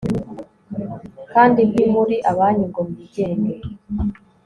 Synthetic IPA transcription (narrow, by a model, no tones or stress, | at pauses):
kaːndimhimuɾiʔaβaːniŋɡomuβiɟeːne